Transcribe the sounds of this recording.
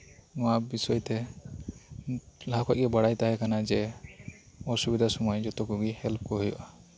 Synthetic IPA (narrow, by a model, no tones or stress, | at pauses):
nɔabisɔjt̪ɛ | lakʰɔc̚ɡɛbaɽajt̪aɦɛkanad͡ʒɛ | ɔsubid̪ʱasɔmɔjd͡ʒɔt̪ɔkuɡihɛlp̚kɔɦujɔ̰ʔa